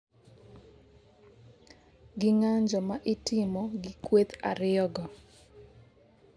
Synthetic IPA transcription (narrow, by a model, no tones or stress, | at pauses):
ɡɪŋaɲd͡ʒɔmaʔɪtɪmɔɡɪkwet̪a̰ɾɪɔɡɔ